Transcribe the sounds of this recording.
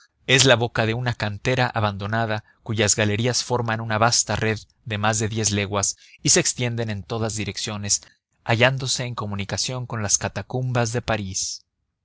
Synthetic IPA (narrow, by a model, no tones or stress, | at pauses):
e̞zlaβo̞kaðe̞unakant̪e̞ɾaʔaβand̪o̞nað̞a | kuʝazɣale̞ɾiasfo̞ɾmanunaβast̪are̞ðːe̞mazðe̞ðje̞zle̞ɣwas | ise̞ːkst̪je̞nd̪e̞ne̞nt̪o̞ðazðiɾe̞ksjo̞ne̞s | aʝand̪o̞se̞ːŋko̞mũnikasjo̞ŋko̞nlaskat̪akumbazðe̞paɾis